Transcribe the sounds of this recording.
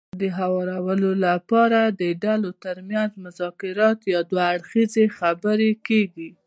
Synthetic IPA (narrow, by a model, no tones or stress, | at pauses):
d̪əɦawɑɾawəlolapɑɾad̪əɖalot̪əɾmjanzmʊzɑkɪɾɑt̪jɑd̪waːɽxizexabəɾekeɡi